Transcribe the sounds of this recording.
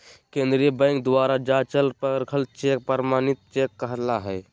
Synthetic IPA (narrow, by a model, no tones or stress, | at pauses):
kẽːnd̪ɾijəbə̃ɪ̃ŋk̚d̪waːɾad͡ʒat͡ʃəlpəɾkʰəlt͡ʃek̚pəɾmaːnit̪̚t͡ʃekːəɦlaɦɛː